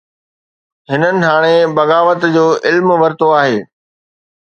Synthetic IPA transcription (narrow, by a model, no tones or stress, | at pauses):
ɦɪnənɪ̆ɦaːɽ̃ebɐɣaːʋət̪d͡ʑoːʔɪlmʋɐɾt̪oaːɦeː